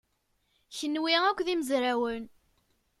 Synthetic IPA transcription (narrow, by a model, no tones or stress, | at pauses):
çənːwiækʷːðiməzɾawən